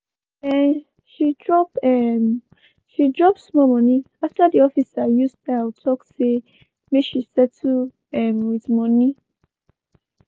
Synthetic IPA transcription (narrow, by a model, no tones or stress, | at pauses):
ɛn | ʃidɹɔpɛm | ʃidɹɔp̚smɔmɔ̃nĩ | aftadiɔfisajusaawtʰɔkse | meʃisɛtu | ɛmwiθmɔ̃nĩ